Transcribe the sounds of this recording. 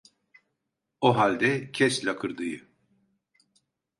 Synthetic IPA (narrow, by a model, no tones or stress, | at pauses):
oɦalʲd̪ɛcʰɛslʲakʰɯɾd̪ɯjɯ